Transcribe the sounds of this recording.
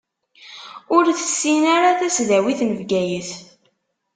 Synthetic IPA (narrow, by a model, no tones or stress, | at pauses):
ʊɾθə̥sːinaɾaθæsðæwiθməvɡæjəθ